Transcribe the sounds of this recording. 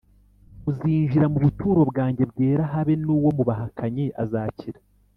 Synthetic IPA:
uziːɲʒiɾamuβutuːɾo̞bɡaːɲɟe̞b̚ɡe̞ːɾaɦaβe̞nuːwo̞muβaɦakʰaɲe̞ʔazaːciɾa

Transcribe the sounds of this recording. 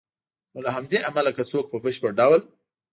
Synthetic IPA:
nolaɦamd̪eʔamalakat͡sok̚pəbəʃpəɾɖɑwəl

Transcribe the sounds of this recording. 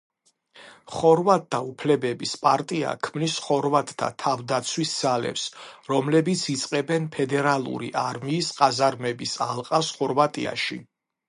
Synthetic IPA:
χɔɾvat̪̚ʼd̪aupʰlɛbɛbispʼaɾt̪ʼia̰kʰmnisχɔɾvat̪ʼːa̰t̪ʰavd̪at̪sʰwisz̥alɛ̰psɾɔmlɛbit̪sʰit̪sʼqʼɛbɛnpʰɛd̪ɛɾalˠṵɾḭʔaɾmiːsqʼazaɾmɛbisalˠqʼasχɔɾvat̪ʼia̰ʃḭ

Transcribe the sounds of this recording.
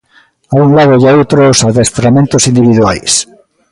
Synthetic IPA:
aunlaðojaowt̪ɾosaðest̪ɾamẽnt̪osind̪iβiðwa̰js

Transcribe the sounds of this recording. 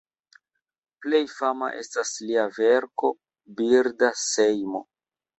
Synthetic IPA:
ple̞jfama̰ʔe̞̰stasliave̞ɾko̞ | biɾdase̞jmo̰

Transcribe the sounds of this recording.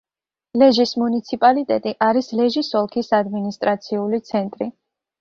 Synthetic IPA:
lɛʒismunit̪sʰipʼalit̪ʼɛt̪ʼiʔaɾislɛʒisɔlˠkʰisad̪minist̪ʼɾat̪sʰiulit̪sʰɛnt̪ʼɾi

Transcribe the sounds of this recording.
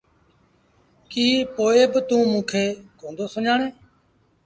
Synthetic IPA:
kiːpoːeːbət̪ũːmũːkʰeːkõːnd̪oːsʊɲaːɳeː

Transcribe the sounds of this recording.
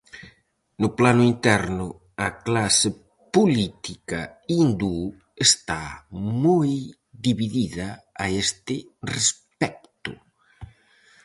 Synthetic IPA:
nʊplanʊint̪ɛɾnʊ | ɐklasɪ | pulit̪ikɐind̪u | est̪amoj | ðiβiðiðɐːest̪ɪrespɛk̚t̪ʊ̰

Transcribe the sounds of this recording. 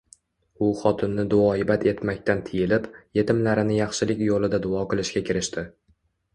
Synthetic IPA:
ʊχɒt̪ʰɪnːɪd̪ʊɒɪbat̪ʰe̞t̪makʲt̪ant̪ʰɪjɪlɪpje̞t̪ɪmlaɾɪnɪjɑχʃɪlɪkʲjolɪd̪ad̪ʊɒqɨlˠɪʃɡʲakʲʰɪɾɪʃt̪ɪ

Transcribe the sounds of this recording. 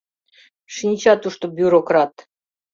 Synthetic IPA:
ʃinʲt͡ɕɑt̪uʂt̪obʲjuɾokrat̪

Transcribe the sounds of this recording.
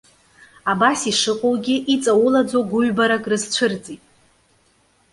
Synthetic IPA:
abasiʂɨqʼowɡʲɪʔit͡sʼawʊlad͡zoɡʷʊɥbaɾakʼrɨzt͡ʃʷʰɨrt͡sʼitʼ

